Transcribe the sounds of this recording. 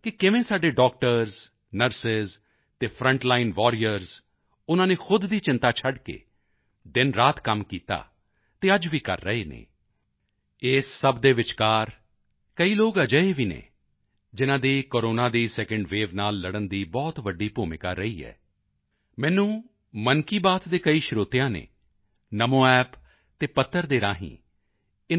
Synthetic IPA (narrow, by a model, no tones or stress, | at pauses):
kɪkɪʋẽːsaːɖeːɖɔːk̚ʈəɾz | nəɾsɪz | t̪eːpʰɾə̃ɳʈlaːɪnʋɔːɾijəɾz | ʊnãːneːxʰʊd̪ːiːt͡ʃɪnt̪aːt͡ʃʰəɖkḛː | d̪ɪnɾaːt̪kəmkiːt̪a̰ː | t̪eːəd͡ʒʋiːkə̰ɾːəeːnḛː | ɪːsːəbd̪eːʋɪt͡ʃkaːɾ | kəiːloːɡəd͡ʒəeːʋiːnḛː | d͡ʒɪnãːd̪iːkoːɾoːnaːd̪iːsɛːkəɳɖʋeːʋnaːlːəɽənd̪iːbɔːt̪ʋəɖiːpuːmɪka̰ːɾəiːɛ̰ː | mɛ̃ːnũː | mənkiːbaːt̪d̪eːkəiːʃɪɾoːt̪ɪjãːnḛː | nəmõːɛːp | t̪eːpət̪ʰːəɾd̪eːɾaːɦḭ̃ː | ɪ